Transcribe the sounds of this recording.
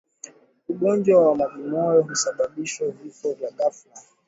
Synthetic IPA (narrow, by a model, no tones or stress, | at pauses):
uɠɔnd͡ʒwawamavinɔjɔɦusaɓaɓiʃwɛvifɔvjaɡafla